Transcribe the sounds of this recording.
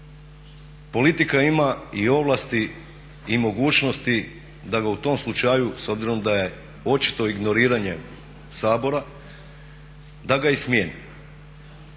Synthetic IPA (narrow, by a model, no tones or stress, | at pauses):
po̞lit̪ikaimaio̞ʋlˠast̪i | imo̞ɡuːt͡ʃno̞st̪i | d̪aɡaut̪o̞mslˠut͡ʃajuso̞bziɾo̞md̪aje̞ | o̞t͡ʃi̥t̪o̞iɡno̞ɾiːɾaɲe̞ | saːbo̞ɾa | d̪aɡaismjeni